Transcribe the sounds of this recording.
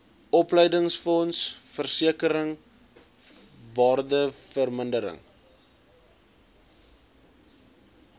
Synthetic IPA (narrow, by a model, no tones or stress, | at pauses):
ʔɔplɛjdəŋsfɔnsfərsiəkəɾəŋ | vɑːrdəfərməndəɾə̰ŋ